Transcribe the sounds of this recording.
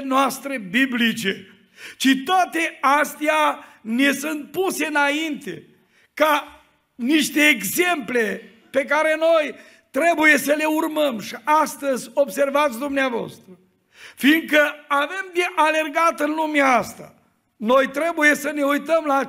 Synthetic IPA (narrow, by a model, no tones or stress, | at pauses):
noast̪ɾe̞biblit͡ʃe̞ | t͡ʃit̪oat̪e̞ast̪ianesunt̪̚puse̞ɨnaint̪e | ka | niʃt̪e̞ːɡze̞mple̞ | pe̞kaɾe̞no̞j | t̪ɾe̞buje̞səle̞urməmʃiʔast̪əzʲo̞bse̞rvat̪sʲd̪umneavoa̰st̪ɾə | fiŋkəave̞md̪eʔale̞rɡat̪ɨnlumeaast̪a̰ | no̞jt̪ɾe̞buje̞səne̞ujt̪əmla